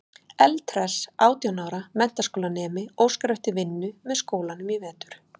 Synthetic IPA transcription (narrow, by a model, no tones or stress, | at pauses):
ɛlt̪ʰɾɛsaːwt̪ijɔnaːwɾamɛn̥t̪askoːwlanɛːmɪoːwskɾœɥht̪ɪvɪnːʏmɛðskoːwlanʏmjɛvɛːt̪ʏ̥ɾ̥